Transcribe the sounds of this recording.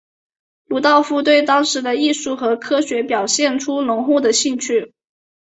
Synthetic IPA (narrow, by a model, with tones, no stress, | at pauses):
lu˧˥t̪ɑ˥˧ʊfu˥t̪we˥˩ɪt̪ɑ˥ŋʂɻ̩˧˥d̪ə˧i˥˧ʂu˥˩xɤ˧˥kʰɤ˥ɕɥɛ˧˥pjɑ˨˩ʊɕjɛ˥˩nʈ͡ʂʰu˥nʊ˧˥ŋxu˥˩d̪ə˩ɕi˥˧ŋt͡ɕʰy˥˩